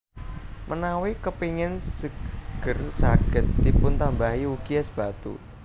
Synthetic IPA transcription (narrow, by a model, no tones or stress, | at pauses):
mənawikəpiŋɪnsəɡ̥ə̤rsaɡ̥ə̤t̪ːipʊnt̪ambaɦiuɡ̥iasb̥a̤t̪ṵ